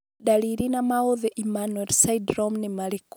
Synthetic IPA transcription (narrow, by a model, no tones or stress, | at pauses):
ɗaliɾinamaoðɛʔimanwɛlsaidɾɔmnemalik